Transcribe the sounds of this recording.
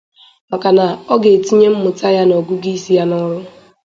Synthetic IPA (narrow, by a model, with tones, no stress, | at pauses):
ma˨ka˨na˨ɔ˦ɡe˨ti˦ɲe˦m̩˦mʊ˨ta˦ja˦no˨ɡu˦ɡi˦si˦ja˦nɔ˦ɾʊ˦